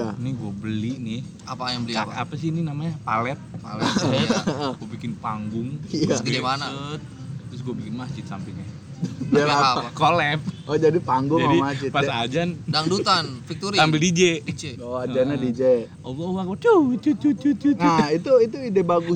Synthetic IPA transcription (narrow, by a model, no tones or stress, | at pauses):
anɪɡuabəlinɪh | apajaŋbəliaa̰pasininamaɲapa̰lɛp̚pa̰lɛ | ɡuabikɪnpaŋɡʊŋijaskidimanat̪̚ | t̪ʊsɡuabikɪnmat͡ʃɪt̪̚sa̰mpɪlɲa | alaaakolɛp̚ɔd͡ʒadipaŋɡʊŋd͡ʒaadiat͡ʃɪt̪pasad͡ʒandaŋdut̪anfikt̪uɾisampɪldid͡ʒɛit͡ʃeaad͡ʒanadid͡ʒe | owawakt͡ʃut͡ʃut͡ʃut͡ʃut͡ʃuuait̪uit̪uidebaɡʊ